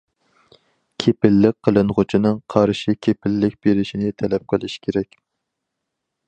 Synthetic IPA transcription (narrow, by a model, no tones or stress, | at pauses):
kʲʰepɪlːɪk̚ʲqʰːəlˠɨnʁʊt͡ʃʰinɨŋqʰɑɾʃikʲʰepɪlːɪk̚ʲb̥eɾɪʃinɪt̪ʰɛlɛp̚qʰəlˠɪʃkʲʰeɾɛkʲ